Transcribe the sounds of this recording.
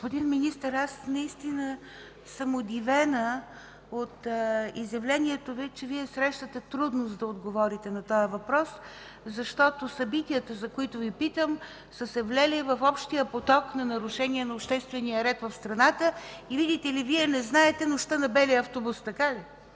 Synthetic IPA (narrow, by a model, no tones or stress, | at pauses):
ɡospʊd̪inminist̪əɾasnɐist̪inə | səmʊd̪ivɛnə | ot̪izjɐvlɛniɛt̪ovit͡ʃɛviɛsɾɛʃt̪ət̪ɛt̪ɾud̪nʊsd̪ɐod̪ɡovɔɾit̪ɛnɐt̪ɔjəvɐpɾɔs | zɐʃt̪ɔt̪osɐbit̪ijət̪əzɐkʊit̪ʊvipit̪əm | səsɛvlʲɛlivɐfɔpʃt̪ijəpot̪ɔknɐnɐɾʊʃɛniɛnɐopʃt̪ɛst̪vɛnijəɾɛt̪vɐfst̪ɾɐnat̪əivid̪ʲit̪ɛliviɛnɛznaɛt̪ɛnʊʃt̪ənɐbɛliəɐft̪obust̪ɐkali